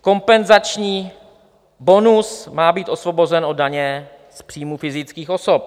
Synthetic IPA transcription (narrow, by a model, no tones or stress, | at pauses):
ko̞mpɛnzat͡ʃɲiː | bo̞nusmaːbiːt̪ʔo̞svobozɛnʔo̞daɲɛ | spr̥iːmufɪzɪt͡skiːxo̞sop̚